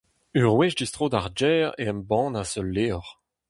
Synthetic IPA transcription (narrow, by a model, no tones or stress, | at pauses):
yʁwɛʃdistʁoːd̪aʁd͡ʒɛːʁeɛmbɑ̃ːnasœlːeːɔʁ